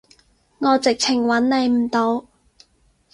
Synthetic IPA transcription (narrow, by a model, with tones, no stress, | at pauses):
ŋɔː˨˧t͡sɪ˨k̚t͡sʰɪ˨˩ŋwɐ˨˥nle˨˧jm̩˨˩t̪o˨˧w